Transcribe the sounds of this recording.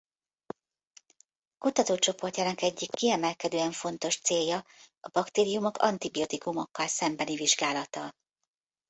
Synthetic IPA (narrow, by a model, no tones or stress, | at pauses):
kut̪ɒt̪oːt͡ʃo̞po̞rcaːnɒkɛɟːikːiɛmɛlkɛd̪øːɛɱfo̞nt̪o̞ʃt̪seːjːɒɒbɒkt̪eːɾijumo̞kɒ̰nt̪ibiot̪ikumo̞kːɒlsɛmbɛniviʒɡaːlɒt̪ɒ